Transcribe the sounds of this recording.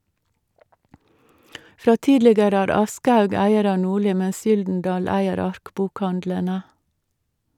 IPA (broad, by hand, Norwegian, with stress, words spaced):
ˈfɾɑː ˈtiːdlɪɡəɾə ˈæːɾ ˈɑskəˌhɑʉɡ ˈæɪəɾ ˈɑː ˈnuːˌɭiː ˈmɛs ˈjʏldn̩ˌdɑːl ˈæɪəɾ ˈɑɾkbʊkˌhɑndlənə